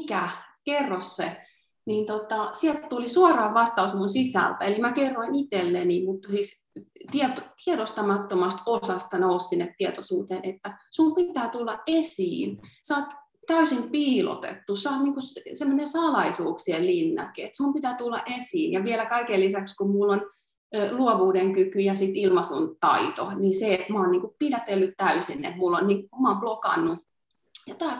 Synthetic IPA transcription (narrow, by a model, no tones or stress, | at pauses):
kækerːosːe | niːnt̪ot̪ɑsielt̪t̪ulisuorɑːʋʋɑst̪ɑusmunsisæ̰lt̪æelimækerːoinit̪elːenimut̪ːɑsiːs | t̪iet̪ot̪ieɾost̪ɑmɑtt̪omɑst̪osɑst̪ɑnoussinːet̪tːiet̪osuːt̪eːnet̪ːæsumpit̪æːt̪ulːɑʔʔesiːnsɑːt̪ | t̪æysimpiːlo̰t̪ḛt̪ːusɑːt̪niːŋkussemːonesɑlɑisuːkssiellinːɑ̰kiet̪sumpit̪æːt̪ulːɑ̰ʔesiːnjɑʋielækɑikelːisækskummulːon | luoʋuːdeŋkykyjɑsit̪ilmɑsunt̪ɑ̰it̪oniseet̪moːnniːŋkuppidæt̪elːyt̪t̪æysinːḛt̪mulːonniːŋkukumɑːmplokɑ̰nːu | jɑt̪ɑː